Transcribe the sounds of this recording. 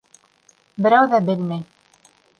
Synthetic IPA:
bɘ̆ɾæwðæbɘ̆lmæj

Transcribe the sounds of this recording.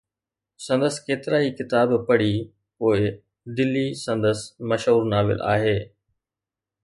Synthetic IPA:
sɐ̃nd̪əskeːt̪ɪɾaːikɪt̪aːbpɐɽ̤i | poːɪ | d̪ɪlːisɐ̃nd̪əsmɐʃɦuːɾnaːʋɪ̰lʔa̰ːɦeː

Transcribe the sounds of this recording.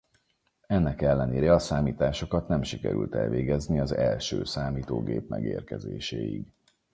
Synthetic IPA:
ɛnːɛkɛlːɛneːɾɛɒsaːmiːt̪aːʃo̞kɒt̪nɛmʃikɛ̰ɾy̰lt̪ɛ̰lveːɡɛzniɒzɛlʃøːsaːmiːt̪oːɡeːpmɛɡeːrkɛzeːʃeːjiɡ

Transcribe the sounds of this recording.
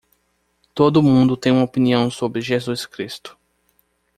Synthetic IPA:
t̪od̪ʊmũnd̪ʊt̪ẽj̃ũmopiniɐ̃w̃sobɾɪʒezuskɾist̪ʊ̥

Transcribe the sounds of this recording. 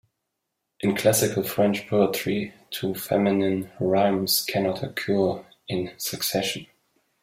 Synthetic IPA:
ʔɨ̃nkʰl̥æsɪkʰəl̩ˠfɹɛ̃nt͡ʃpʰoətɹitʰufɛ̰mɪnɨ̃nɹãɪ̃mskʰɛnɔtʰəkʰj̥uɹ | ɪ̃nsɨksɛʃə̃n

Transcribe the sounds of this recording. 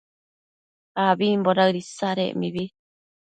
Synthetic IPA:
aβimboɾaɨɾisaɾḛʔmiβi

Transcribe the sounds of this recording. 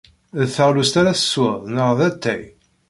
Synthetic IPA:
ðθːəʁlust̪aɾaθə̥səðˤnəʁðæt̪ʰːæj

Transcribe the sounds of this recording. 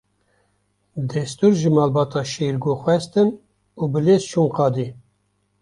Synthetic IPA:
d̪ɛst̪uɾʒɨmɑːlbɑːt̪ʰɑːʃeɾɡoxʷwɛst̪ɨn | uːbɨleːst͡ʃʰuŋqɑːd̪i

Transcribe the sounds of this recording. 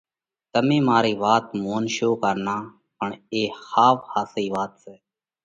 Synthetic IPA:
t̪əmẽːmaːɾiːʋaːt̪moːnʃoːkəɾnaː | pəɳeːxaːfhaːsiːʋaːt̪sɛː

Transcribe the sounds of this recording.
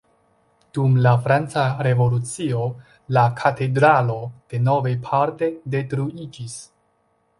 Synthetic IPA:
d̥umlafɾant͡saɾe̞vo̞lut͡sio̞ | lakʰate̞dɾalo̞d̥e̞no̞vejpʰaɾte̞de̞tɾuid͡ʒis

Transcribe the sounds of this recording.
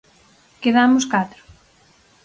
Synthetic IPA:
keðamʊskat̪ɾʊ̥

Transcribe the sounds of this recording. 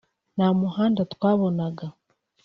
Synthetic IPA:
namuhaːndatwaːβo̞naɡa

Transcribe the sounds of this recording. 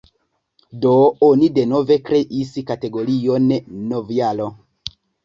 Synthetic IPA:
doonide̞no̞ve̞kɾe̞ʔiskate̞ɡo̞ɾionːovialo

